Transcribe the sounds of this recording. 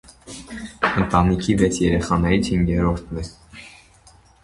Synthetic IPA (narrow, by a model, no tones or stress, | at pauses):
ənt̪ɑnikʰivɛt͡sʰjɛɾɛχɑnɛɾit͡sʰhiŋɡɛɾɔɾt̪ʰvɛ